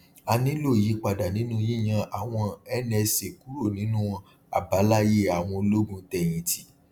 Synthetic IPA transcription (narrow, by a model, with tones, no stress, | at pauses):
a˧nĩ˦lo˦˨ji˨˦k͡pa˨da˨nĩ˨˦nũ˦ji˦˨j̃ã˧ʔa˨w̃ɔ̃˧ɛ˦nɛ̃˧se˨ku˨˦ɾo˦˨nĩ˨˦nũ˦ɔ̃˧ | a̰˨ba˨˦la˦je˦˨a˨w̃ɔ̃˧lo˦ɡũ˧tɛ˧j̃ĩ˨ti˨˦